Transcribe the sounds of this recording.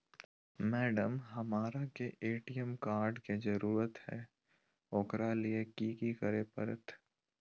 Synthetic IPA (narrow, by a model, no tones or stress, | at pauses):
mɛːɖəmɦɐmaːɾakeʔeːʈijəmkaːɾɖkezɐɾuːɾət̪hɛ̰ː | oːkɾaliekiːkikəɾepəɾət̪